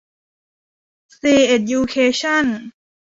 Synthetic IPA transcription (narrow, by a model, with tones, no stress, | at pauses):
siː˧e˧˩tju˧kʰeː˧ɕʰa˥˨n